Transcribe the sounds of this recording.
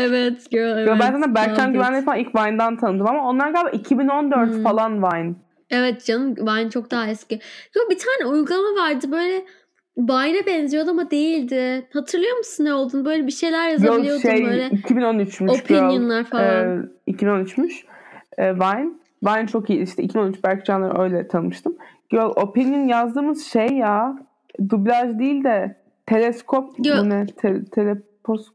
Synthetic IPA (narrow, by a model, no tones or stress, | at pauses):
evɛt̪ɡølevjobænsanabælʰænɡɟyvænlʲɛfalanilʲcvajnd̪ænt̪ʰanɯd̪ɯmamao̞nlˠaɾɡalʲbaʔicʰibino̞nd̪øɾt̪falˠanvajn | evɛt̪d͡ʒanɯmvajnt͡ʃʰo̞k̚d̪aɦaɛscɪjobit̪ʰaːnʲɛujɡulˠamavaɾd̪ɯbø̞jlʲɛ | vajnɛbɛnzijo̞d̪amad̪e̞jilʲd̪ɪhat̪ʰɯɾlˠɯjoɾmusunːɛo̞lˠd̪unbø̞jlʲɛbiʃe̞jlʲæɾjajaolˠɯjoodʃejøjlʲɛicʰibinonyt͡ʃmyoʃpʰinøɯnlˠaɾfaicʰibino̞nyt͡ʃmyʃɛːvajn | vajnt͡ʃʰo̞kijilʲiʃt̪ʰicʰibinoyt͡ʃbæɾkd͡ʒanˠaɾø̞jlʲɛt̪ʰamɯʃt̪ʰɯmɟ̥ølˠo̞pinjinjazd̪ɯːmɯz̥ʃejːa | d̪ublʲaʒd̪iːlʲd̪ɛ | t̪ʰe̞lʲɛskʰo̞p̚inɛt̪ʰɛt̪ʰelʲɛpʰos